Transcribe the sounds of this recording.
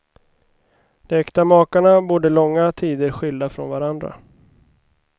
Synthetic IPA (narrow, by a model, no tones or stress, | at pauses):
d̪̥ɛɛkt̪amɑːkaɳabuːɖəlɔŋːat̪ʰiːd̪əɾɧʏld̪afɾɔ̰nvaɾand̪ɾa̰